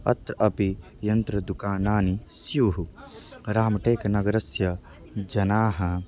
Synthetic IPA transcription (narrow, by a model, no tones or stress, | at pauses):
ɐ̰t̪ɾɐʔɐpi | jɐnt̪ɾɐd̪ukaːnaːnisjuɦuɾaːmɐʈeːkɐnɐɡɐɾɐsjɐ | d͡ʒɐnaːɦɐ